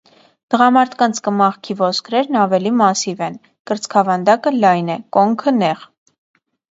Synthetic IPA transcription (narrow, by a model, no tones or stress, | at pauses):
t̪əʁɑmɑɾt̪ʰkɑnt͡sʰkəmɑʁkʰivɔskʰɾɛɾnɑvɛlimɑsivɛn | kəɾt͡skʰɑvɑnd̪ɑkəlɑjnɛkɔŋkʰənɛʁ